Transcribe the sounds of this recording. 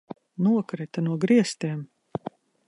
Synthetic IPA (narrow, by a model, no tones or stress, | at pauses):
nuɔkɾit̪anuɔɡɾiɛst̪iɛm